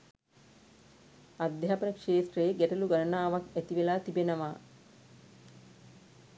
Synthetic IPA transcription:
ad̪jɦapənəkʂeːsʈrejeɡæʈɐluɡaɾənaːʋakæt̪iʋelaːt̪ibenəʋaː

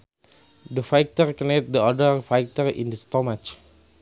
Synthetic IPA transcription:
dəfajk̚t̪ərkɔnet̚dəɔdərfajk̚tərḭ̃ndəstɔmat͡ʃ

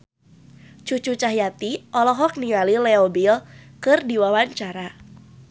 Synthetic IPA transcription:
t͡ʃut͡ʃut͡ʃaɦjat̪iʔɔlɔɦɔk̚niŋalilɛobilkɨrdiwawaɲt͡ʃaɾa

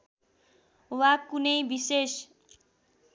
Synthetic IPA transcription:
wakunʌjbises

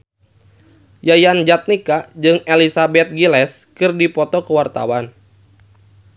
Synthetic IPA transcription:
jajand͡ʒat̪̚nikad͡ʒɨŋelisabɛt̪̚ɡilɛs | kɨrdipɔt̪ɔkəwart̪a̰wan

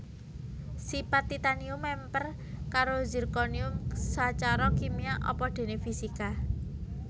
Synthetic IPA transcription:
sipat̪ːit̪aniumɛmpər | kaɾozi̤rkoniʊmsat͡ʃaɾɔkimiaʔɔ̰pɔd̪̥e̤nefisika

